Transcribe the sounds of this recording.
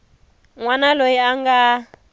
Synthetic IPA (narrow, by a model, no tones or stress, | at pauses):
ŋwanalojiaŋɡa